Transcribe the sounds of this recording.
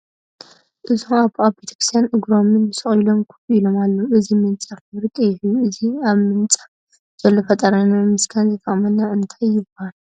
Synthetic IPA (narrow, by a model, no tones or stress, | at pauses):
ʔɨzaβaβbet̪ʰɐ̥kɾist̪janʔɨɡɾo̞mɨnbɨsɨχʼilo̞mkʰuilo̞malːoʔɨzimɨnt͡sʼakɨβɾɨt̪ʼejɪhɨjuɨziaβmɨnt͡sʼḁ | z̥ɐlːofɐt̪ʼɐɾanamɨskʰanzɨt̪ʰʼɐχʼmɐnːaʔɨnt̪ʰajːɪbhan